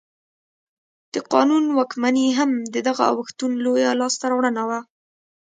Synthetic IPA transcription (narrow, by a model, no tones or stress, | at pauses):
d̪̥əqɑ̰nunwɑkmaneɦamd̪əd̪aɣaa̰wəxt̪unlojalɑst̪aɾɑwɽənawa